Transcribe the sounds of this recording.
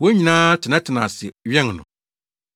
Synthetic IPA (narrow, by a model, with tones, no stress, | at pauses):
wo˦ɲĩ˨nãː˦tʰɪ˨nã˦tʰɪ˨nã˨sɪ˨ɥɛ˦ŋnʊ̰̃˨